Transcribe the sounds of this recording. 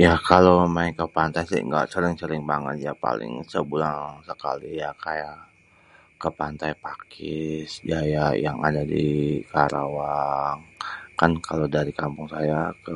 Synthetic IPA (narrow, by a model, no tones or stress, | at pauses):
jakalomaɪŋkəpant̪ajsḭŋɡa̰ʔsəɾɪŋsəɾɪŋbaŋə̰t̪̚japa̰lɪ̰ŋsəbulaŋsəka̰lijakajaʔ | kəpant̪ajpakʰɪsd͡ʒajajaŋa̰dadikaɾʔawaŋkankʰalodaɾikampʊŋsajakə